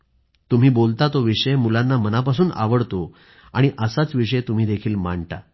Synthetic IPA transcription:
t̪um̤iːbolt̪at̪oʋiʂəjmulãnːamənapasuːnʔa̰ʋəɽt̪o | a̰ɽ̃iʔəsat͡sʋiʂəjt̪um̤iːd̪ekʰiːlma̰ɳʈ̪a̰

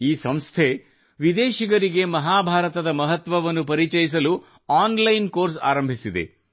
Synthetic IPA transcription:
iːsɐmst̪ʰe | ʋid̪eːʃiɡɐɾiɡe̞mɐɦaːbʱaːɾɐt̪ɐd̪ɐmɐɦɐt̪ʋɐʋɐnːup̬ɐɾit͡ʃɐjis̬ɐlu | aːnlɐjnkoːɾs̬a̰ːɾɐmbʱisid̪e̞̰

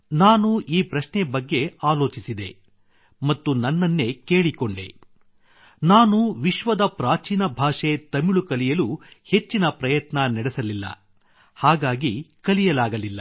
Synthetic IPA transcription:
naːnuiːpɾɐʃnɛbɐɡːe̞aːlo̞ːt͡ʃisid̪e̞ | mɐt̪ːunɐnːɐnːe̞ke̞ːɭiko̞ɳɖḛ | naːnuʋiʃʋɐd̪ɐpɾaːt͡ʃiːnɐbʱaːʂe̞t̪ɐmiɭukɐlijɐluhe̞t͡ʃːinɐpɾɐjɐt̪nɐnɐɽesɐlilːɐ̰ | haːɡaːɡikɐlijɐlaːɡɐlilːɐ

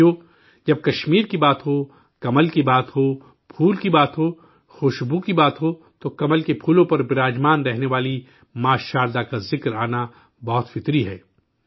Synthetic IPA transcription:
oː | d͡ʒɐb̚kɐʃmiːɾkibaːt̪ɦo | kɐməlkibaːt̪ɦo | pʰuːlkibaːt̪ɦoː | xoʃbukibaːt̪ɦo | t̪okɐməlkepʰuːlõpɐɾbɪɾaːd͡ʒmaːnɾɛɦneʋaːli | maːʃaːɾd̪akazɪkɾaːna | bɔɦʊt̪fɪt̪ɾiɦɛː

